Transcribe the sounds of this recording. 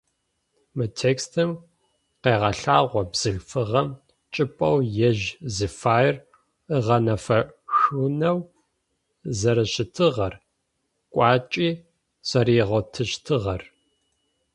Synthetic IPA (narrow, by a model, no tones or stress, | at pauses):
mɨtʰeːkstʰɨm | qeːʁɐɬaːʁʷɔbz̥ɨɮfɨʁɐm | t͡ʃʼɪpʼɐwjɛʒzɨfaːjr | ɨʁɐnɐfɐxunɐw | zɐɾɐɕɪtʰɨʁɐr | kʷʼɑːt͡ʃʼiː | sɐɾiːʁɐtʰɨɕtʰɨʁɐr